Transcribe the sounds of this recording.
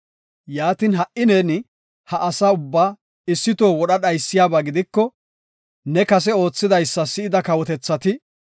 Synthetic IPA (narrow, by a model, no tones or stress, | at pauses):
jaːt̪ɪːnɦɐʔʔɪneːnɪ | hɐʔɐsaːʊbːaː | ɪsːɪt̪o̞ːwɔɗɐɗɐjsːɪjaːbaɡɪd̪ɪkːɔ | nɛkɐs̬ɛo̞ːt͡sːɪd̪ɐjsːɐsɪɪd̪ɐkɐwɔt̪ɛt͡sːɐt̪ɪ